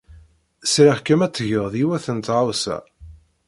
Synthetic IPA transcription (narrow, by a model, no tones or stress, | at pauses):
sɾaχkæmæt͡sːəʝəʁðiwæθənt̪ʕawsæ̰